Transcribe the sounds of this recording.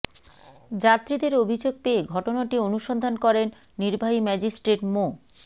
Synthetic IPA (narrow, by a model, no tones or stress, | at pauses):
d͡ʑat̪ːɾid̪eɾobʱid͡ʑoɡ̚peːɡʱɔʈonaʈionuʃond̪ʱankɔɾenː | iɾbʱaɦimɛd͡ʑisʈɾeʈmo